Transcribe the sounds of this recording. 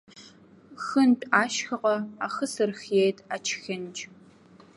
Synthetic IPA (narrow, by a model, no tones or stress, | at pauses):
xɨnpʼaːʃxɐqɐa̰ːxɐsɨrxjejtʰʼaːt͡ʃʰxɐnd͡ʒʼ